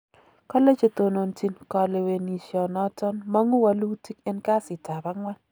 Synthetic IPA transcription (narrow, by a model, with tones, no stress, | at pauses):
kɔ˦le˦t͡ʃe˨t̪o˨no˨nti˨nkɔ˨le˨we˨ni˨ʃjɔ˨nɔ˦tɔ˦nma˦ŋu˦wa˦lu˦ti˦kɛ˦nka˦sɪ˨ta˨ba˦ŋwa˦n